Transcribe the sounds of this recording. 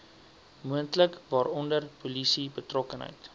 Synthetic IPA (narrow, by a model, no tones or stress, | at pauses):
muəntləkvɑːɾɔndərpolisibətrɔkənɦə̰jt